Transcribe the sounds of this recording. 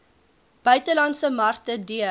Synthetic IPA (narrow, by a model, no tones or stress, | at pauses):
b̥œɥtəlɐntsəmɐrtədiə